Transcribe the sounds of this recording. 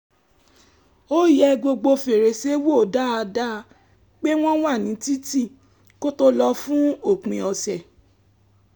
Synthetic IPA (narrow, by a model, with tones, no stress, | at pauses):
o˦jɛ˧ɡo˧ɡ͡bo˧fe˨ɾe˨˦se˦wo˦˨da˦a˧da˦˧ | k͡pe˦w̃ɔ̃˦w̃a˦˨nĩ˨˦ti˦ti˦˨ | ko˦to˦lɔ˧fũ˦o˦˨k͡pĩ˧ɔ˧sɛ˨